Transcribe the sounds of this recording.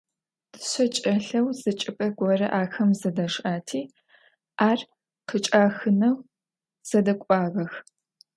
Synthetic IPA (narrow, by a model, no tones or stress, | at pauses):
d̥ɨɕɐt͡ʃʼɐɬɐwzɨt͡ʃʼɪpʼɐɡʷɔrɐ̰ʔaːxɐmzɐdɐʂʔaːtʰiː | aːr | qət͡ʃʼaːxɨnɐw | z̥ɐdɐkʷʼɑːʁɐx